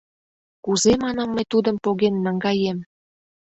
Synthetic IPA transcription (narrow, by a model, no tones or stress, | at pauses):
kuzemɑnɑmːəjt̪ud̪ə̆mpoɣenːɑŋɡɑjem